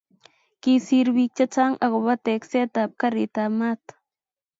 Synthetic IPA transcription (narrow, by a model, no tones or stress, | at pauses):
kisiɾbik̚t͡ʃat͡saŋʔaɣoβat̪ekset̪ap̚kaɾit̪amat̪